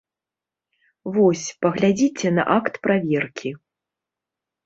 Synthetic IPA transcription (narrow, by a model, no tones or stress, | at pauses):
vɔsʲpɐɣlʲad͡zʲit͡sʲɛnɐ̰ʔakt̪pɾavʲɛrkʲi